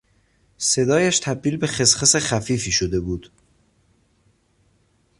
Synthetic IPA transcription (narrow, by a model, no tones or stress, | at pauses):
se̞d̪ɒːjæʃt̪ʰæb̚d̪iːlbe̞xe̞sχesexæfiːfiːʃod̪e̞buːd̪̥